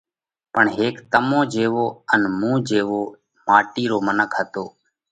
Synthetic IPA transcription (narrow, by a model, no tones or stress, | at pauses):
pəɳɦeːkt̪əmõːd͡ʒeːʋoːənmũːd͡ʒeːʋoː | maːʈiːɾoːmənəkʰɦət̪oː